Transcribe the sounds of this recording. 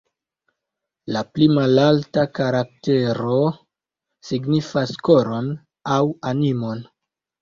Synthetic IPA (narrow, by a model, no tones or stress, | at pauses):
laplimalaltakaɾak̚te̞ɾo̞ | siɡnifasko̞ɾo̞n | awanimo̞n